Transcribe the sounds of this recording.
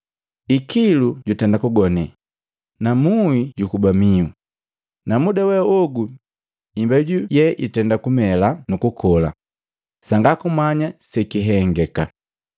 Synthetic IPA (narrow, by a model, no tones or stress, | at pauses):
ikiluɟutɛndakuɡɔnɛ | namuiɟukubamiu | namudawɛɔɡu | imbɛɟujɛʔitɛndakumɛlanukukʰɔla̰ | saŋɡakumaɲasɛkiɦɛŋɡɛka